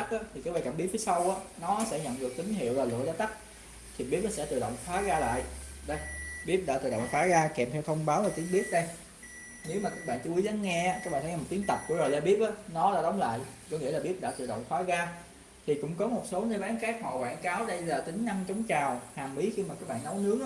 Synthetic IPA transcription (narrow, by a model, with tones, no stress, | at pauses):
k̚ʔaː˨˦t̪ʰi˨˩kaː˨˦˥ɓaː˧jkaː˧˩mi˦˥t̚fi˨˦jsa˧wʔaː˨˦nɔ˨˦sɛ̰˧˥ɲə̰˧˨nɗɨ˨˩ək̚t̪ï˨˦ŋ̟ɦḭ˧˨əwvaː˨˩lɨ̰˧˨əlaː˨˦t̪a˦˥k̚ | t̪ʰi˨˩ɓi˦˥əp̚aː˨˦sɛ̰˧˥t̪ɨ˨˩ɗə̰˧˨wŋ͡mfʰwaː˨˦ɣaː˧la̰ː˧˨jɗə˧jɓi˦˥əp̚ɗa̰ː˧t̪ɨ˨˩ɗə̰˧˨wŋ͡mt̪aː˨˦ɣaː˧kɛ˨˩mt̪ʰɛ˧wt̪ʰə˧wŋ͡mɓaː˨˦wvaː˨˩t̪i˨˦ənɓi˦˥ət̚ɗə˧j | ne˨˦wmaː˨˩kaː˦˥k̚ɓa̰ː˧˨nt͡ɕɨ˧ʔu˨˦jza˨˦nŋɛ˧aː˨˦˥ka˦˥ɓaː˧˨˩t̪̚i˨˦ənt̪ə˨˩p̚ku˧˥əzo˨˩jlɛ˧ɓi˦˥əp̚ʔaː˨˦nɔ˨˦ɗaː˧˥ɗə˨˦wŋ͡mla̰ː˧˨jkɔ˨˦ŋḭ˧˥əlaː˨˩ɓi˦˥əp̚ɗa̰ː˧˥t̪ɨ˨˩ɗə̰˧˨wŋ͡mxʰwaː˨˦ɣaː˧ | t̪ʰi˨˩kʊ̰˧˥ŋ͡mkɔ˨˦mo˨˩t̚so˨˦nəː˧jɓaː˨˦nxɛː˦˥k̚maː˨˩wa̰ː˧˩nkaː˨˦wɗə˧jlaː˨˩t̪ï˨˦ŋ̟na˧ŋt͡ɕɔ˨˦wŋ͡mt͡ɕaː˨˩whaː˨˩ŋɓi˨˦xi˧maː˨˩kaː˦˥k̚ɓa̰ː˧˨nːɔ˨˦wnɨ˨˦˥əŋ